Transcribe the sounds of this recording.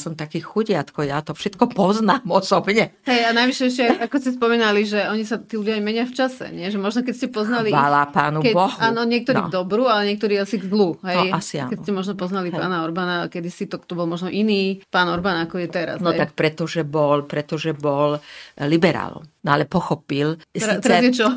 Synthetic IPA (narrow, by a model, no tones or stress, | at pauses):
sɔmt̪akiːxuɟɪat̪kɔjat̪ɔfʃɛt̪kɔpɔznaːmɔsɔbɲɛ | ɦɛjanajʋiʃɛɛʃcɛakɔscɛspɔmiːnaliʒɛɔɲisat̪iːluɟjaajmɛɲɪaft͡ʃasɛ̰ɲɪɛʒɛmɔʒnɔk̬ɛcscɛpɔznalialapaːnukɛbɔɦaːnɔɲɪɛk̚t̪ɔɾiːɡd̪ɔbɾualɛɲɛk̚t̪ɔɾiːasiɡzluɦɛasiakɛcscɛmɔʒnɔpɔznalipa̰ːnaɔɾbanakɛd̪isit̪ɔt̪ɔbɔlˠmɔʒnɔʔiniːpaːnɔɾbanakɔjɛt̪ɛɾa̰snɔɛak̚pɾɛt̪ɔʒɛbɔlpɾɛt̪ɔʒɛbɔllibɛɾa̰ːlɔ̰mnɔalɛpɔxɔpilst̪ɛɾazjɛt͡ʃɔ